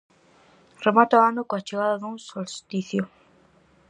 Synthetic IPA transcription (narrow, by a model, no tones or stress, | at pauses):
remat̪oaanokoat͡ʃeɣaðaðuŋsolst̪iθjo